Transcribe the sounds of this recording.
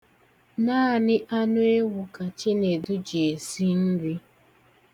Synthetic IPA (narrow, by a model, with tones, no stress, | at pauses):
naː˦a˨nɪ˦ʔa˦nʊ˦e˦wʊ˨ka˨t͡ʃe˦ne˨du˦d͡ʒe˨si˦n̩˦ɾi˦